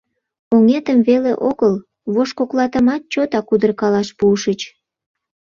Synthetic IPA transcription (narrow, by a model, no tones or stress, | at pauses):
oŋet̪əmβelḛʔoɣəl | βoʃkoklɑt̪əmɑt̪̚t͡ɕot̪ɑkud̪ərkɑlɑʃpuəʃət͡ɕ